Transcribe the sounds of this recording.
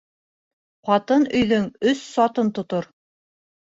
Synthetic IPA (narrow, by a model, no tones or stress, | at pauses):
χɑt̪ɤnɵ̆jðɵŋɵsːɒt̪ɤnt̪ŏt̪oɾ